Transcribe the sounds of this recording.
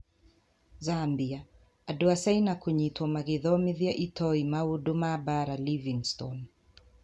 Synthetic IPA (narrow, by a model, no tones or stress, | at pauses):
zambia | aduasajnakuɲitwɔmaɣiðɔmiðiaʔitɔimaudumabaɾaliviŋstɔn